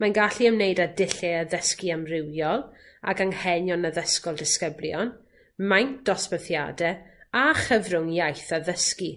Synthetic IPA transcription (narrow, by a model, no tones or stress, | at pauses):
manɡaɬiəmnejdadɪɬɛəðəskiamrɪwjɔlˠ | a̰ɡaŋhɛnjɔnəðəskɔlˠdɪskəbljɔn | majnd̥ɔspəθja̰dɛaχəvrʊŋjajθaðəski